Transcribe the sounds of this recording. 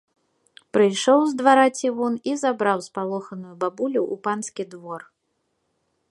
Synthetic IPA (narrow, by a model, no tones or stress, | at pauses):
pɾɨjʂɔwzd̪vaɾat͡sʲivɔnizabɾawspalˠɔxɐnujubabulʲuʔupanskʲid̪vɔr